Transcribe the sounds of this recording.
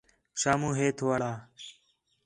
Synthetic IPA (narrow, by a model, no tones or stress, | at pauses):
ʃaːmũːɦeːt̪ʰoːaɽaː